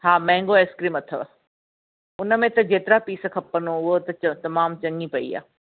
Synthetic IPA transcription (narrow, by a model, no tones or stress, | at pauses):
ɦaːmɛ̃ɦɪ̃ŋɡoeːskɾiːmɐt̪ʰo | ʊnə̆mẽt̪ɐd͡ʑeːt̪ɪɾapiːskʰɐpːənoʊɦot̪ɐɐt̪ɐmaːmt͡ɕɐ̃ŋipɐḭa̰ː